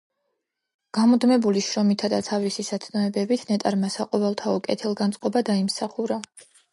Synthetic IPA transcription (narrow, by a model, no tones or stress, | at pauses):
ɡ̥amɔd̪mɛbuliʃɾɔmit̪ʰad̪at̪sʰavlisisat̪sʰnɔɛbɛbit̪ʰnɛt̪ʼaɾmasaqʼɔvɛlˠt̪ʰaɔkʼɛ̰t̪ʰɛlˠɡansʼqʼɔbad̪aimsaχuɾa